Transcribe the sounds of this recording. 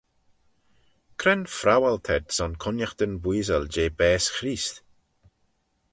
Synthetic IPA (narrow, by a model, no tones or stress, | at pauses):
kʰɾɛnfɾawalt̪ʰɛd̪sɔnkʰʊnjaxt̪ənbwiːzəld͡ʒeːbɛːsxɾiːst̪